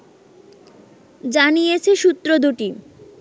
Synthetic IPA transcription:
d͡ʑanijet͡ɕʰeʃut̪ːɾod̪uʈi

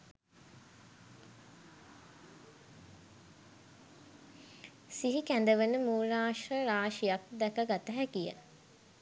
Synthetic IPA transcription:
siɦikænd̪əʋənəmuːɾaːʃrəɾaːʃijak̚d̪ɛkəɡat̪əɦækijə̰

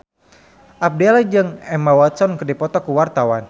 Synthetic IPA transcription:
ʔap̚dɛlad͡ʒɨŋɛmawat̪sɔnkərdipɔt̪ɔkuwart̪awan

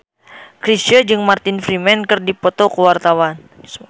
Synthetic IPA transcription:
kɾist͡ʃəd͡ʒɨŋmart̪infɾimɛnkɨrdipot̪okəwart̪awan

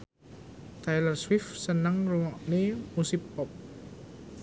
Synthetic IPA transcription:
t̪ajlərswɪfsənəŋruŋɔʔnemusɪpːɔp̚

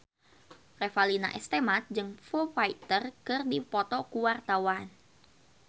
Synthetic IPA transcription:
refalina̰ʔɛst̪emat̪̚d͡ʒɨŋfofait̪ərkɨrdipɔt̪ɔkuwart̪awan

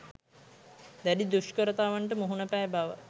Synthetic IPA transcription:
d̪æɖid̪uʃkəɾət̪aːʋaɳʈəmuɦunəpæːbaʋə̰

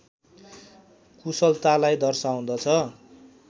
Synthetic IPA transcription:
kusʌlt̪alajd̪ʌrsaũd̪ʌt͡sʰʌ

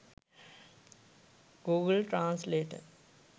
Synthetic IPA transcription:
ɡuːɡəlʈɾãːnsleːʈə̰

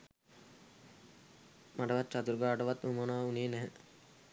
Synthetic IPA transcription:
maɖəʋat̪ːt͡ʃat̪uɾɡaːʈəʋat̪ːumonaːuneːnæɦə

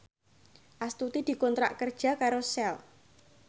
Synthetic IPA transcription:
ʔast̪ut̪id̪̥i̤kɔnt̪ɾa̰ʔkərd̥ʒ̥a̤kaɾosɛl

